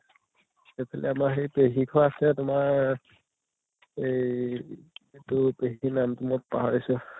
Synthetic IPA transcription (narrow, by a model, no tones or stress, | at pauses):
xejpʰalɛ̰amaxejpeɦikʰɔasɛtʊmaɹ | ej | etʊpeɦinamtʊmɔt̚paɦaɹisʊ